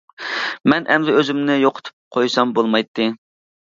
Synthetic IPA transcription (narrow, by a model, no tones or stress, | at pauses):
mɛnʔɛmd̪ɪøzɪmnɪjoqʰʊ̥t̪ʰu̥p̚qʰojsɑmbolˠmɑjt̪ʰːɨ